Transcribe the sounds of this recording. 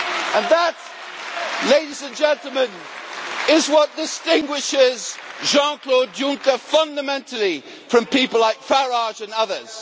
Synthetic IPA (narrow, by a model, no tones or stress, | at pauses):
ə̃nðət | leɪɾizɨ̃nd͡ʒɛ̃ntˡl̩ˠmə̃n | ɪzwʌt̚d̥ɪstɪ̃ŋɡwɪʃɪz̥ʒɑ̃nkʰl̥odjʊ̃ŋkəfʌ̃ndəmɛ̃ntl̩ˠi | fɹʌ̃mpipəl̩ˠlaɪkfəɹɑʒɨ̃nʌðəz̥